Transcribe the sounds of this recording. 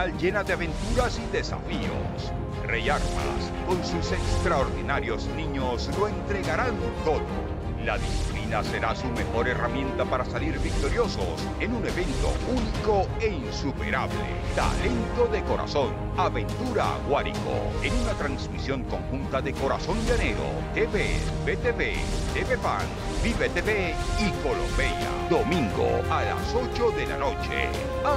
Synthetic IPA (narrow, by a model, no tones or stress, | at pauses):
alʝe̞naðeaβe̞nt̪uɾasiðe̞sa̰fio̞̰s | rejaɾma̰s | ko̞nsuse̞kst̪ɾaoɾðinaɾjo̞znĩɲo̞slo̞e̞nt̪ɾe̞ɣaɾalmunt̪o̞ðo̰ | laðisi̥plinase̞ɾasume̞xo̞ɾe̞ramjẽ̞nt̪apaɾasaliɾβik̚t̪o̞ɾjo̞so̞s | e̞nune̞βe̞nt̪o̞̰uniko̞ | e̞insupḛɾaβlḛt̪a̰le̞nt̪o̞ðe̞ko̞ɾa̰so̞n | aβe̞nt̪uɾa̰ɣwaɾḭko̰ | e̞nunat̪ɾansmisjo̞ŋko̞ŋxunt̪aðe̞ko̞ɾaso̞nd̪eane̞ɾo̰t̪eβebet̪eβet̪eβepa̰n | biβet̪eβe | iko̞lo̰mbeʎa̰d̪o̞mĩŋɡo̰ala̰so̞t͡ʃo̞ðela̰no̞t͡ʃḛ